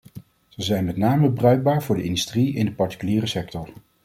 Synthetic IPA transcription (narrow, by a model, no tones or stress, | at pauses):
z̥əzɛjnmɛtnaːməbrœɥɡ̚baːɹvʊːɹdəɪndystriɪndəpɑɹti̥kyliːrəsɛktɔɹ